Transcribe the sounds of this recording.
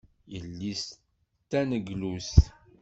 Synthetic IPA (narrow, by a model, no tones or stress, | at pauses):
jəlːis | t̪ːænəɡlus